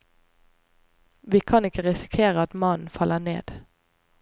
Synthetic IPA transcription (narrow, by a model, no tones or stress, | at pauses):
ʋiːkʰɑnɪkəʁɪsɪ̥kʰeːʁəɑt̪mɑn̩fɑlənḛːd̪̥